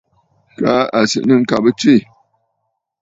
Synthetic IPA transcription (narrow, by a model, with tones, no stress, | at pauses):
ka˦a˨sɨ̰˨ʔnɨ˦ŋ̩˦ka˨bə˦t͡ʃi˦˨